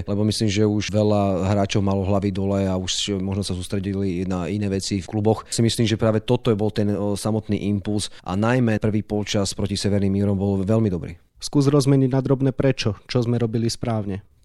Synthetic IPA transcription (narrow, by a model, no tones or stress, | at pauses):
lɛbɔmisliːmʒɛuʃʋɛlaɦɾaːt͡ʃɔʊmalɔɦlaʋid̪ɔlɛauʃmɔʒnɔsasuːst̪ɾɛɟilinainɛːʋɛt͡sifklubɔxsimisliːmʒɛpɾaːʋɛt̪ɔt̪ɔbɔlt̪ɛnsamɔt̪nḭːʔimpulsʔa̰najmɛpr̩ʋiːpɔlt͡ʃaspɾɔcisɛʋɛɾnimiːɾɔmbɔlʋɛlmid̪ɔbɾḭː | skuːzɾɔzmɛɲiɟnad̪ɾɔbnɛːpɾɛt͡ʃɔt͡ʃɔzmɛɾɔbilispɾaːʊɲɛ